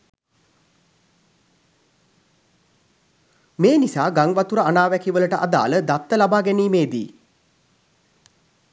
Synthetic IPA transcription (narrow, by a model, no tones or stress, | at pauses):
meːnisaːɡaŋʋat̪uɾəanaːʋækiʋələʈəʔa̰d̪a̰ːləd̪at̪ːəlabaːɡæniːmeːd̪ḭː